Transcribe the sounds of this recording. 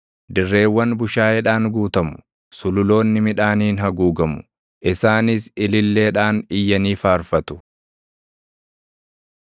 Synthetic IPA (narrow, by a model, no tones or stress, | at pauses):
d̪ɪrːe̞ːwːɐnbʊʃaːɛᶑaːnɡuːt̪ɐmʊ̥ | sʊlʊlo̞ːnːɪmɪᶑaːniːnɦɐɡuːɡɐmʊ̥̰ | ʔɪsaːnɪsɪlɪlːe̞ːᶑaːnɪjːɐniːfaːɾfɐt̪ʊ̥